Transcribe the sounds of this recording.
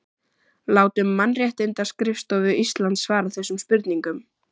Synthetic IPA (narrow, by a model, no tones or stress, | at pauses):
laːwt̪ʏmːanrjɛht̪ɪnt̪ḁskɾɪfst̪ɔvʏist̪lant̪svaːɾaθɛsːʏmspʏɾt̪niŋkʏm